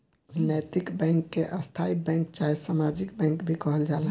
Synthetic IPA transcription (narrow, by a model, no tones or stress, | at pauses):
nɛt̪ikbɛ̃ŋkːeʔəst̪ʰaibɛ̃ŋk̚t͡ʃaɦisamad͡ʒikbɛ̃ŋkbʱikɔɦəld͡ʒal